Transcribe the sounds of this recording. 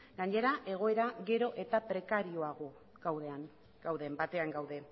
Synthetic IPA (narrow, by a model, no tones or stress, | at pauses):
ɡ̥aɲe̞ɾaʔe̞ɣ̞o̞e̞ɾaɣe̞ɾo̞ʔe̞t̪apɾe̞kaɾioaɣo̞ | ɡawðe̞aŋ | ɡ̥awðe̞mbat̪e̞aŋɡawðe̞